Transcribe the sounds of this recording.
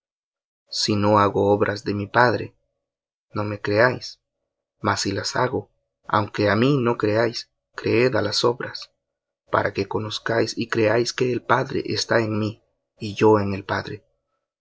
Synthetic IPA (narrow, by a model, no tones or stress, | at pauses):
sino̞aɣo̞oβɾʔazðe̞mipaðɾe̞̰ | no̞me̞kɾe̞ajs | masilasaɣo̞ | a̰wŋke̞amino̞kɾe̞ajs | kɾe̞eðalaso̞βɾas | pa̰ɾʔake̞ko̞no̞skajsikɾe̞ajske̞ːlpaðɾḛʔest̪aeŋmiː | ʝo̞eŋe̞lpaðɾe